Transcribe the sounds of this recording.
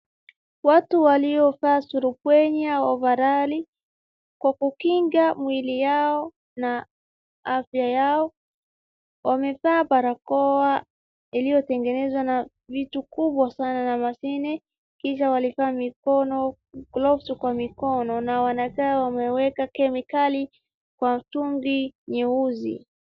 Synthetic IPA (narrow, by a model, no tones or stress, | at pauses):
watuwaliɔfaːsuɾupwɛɲawavaɾali | kwakukiŋɡamwilijaɔ | na | afjajaɔ | wamɛfaːpaɾakɔa | ilijɔtɛŋɡɛnɛzwana | vitukuɓwasananamasinɛ | kiʃawalivaːmikɔnɔ | ɡlɔfsukwamikɔnɔnawanakaːwamɛwɛkakɛmikali | kwam̩tuŋɡiɲɛuzḭ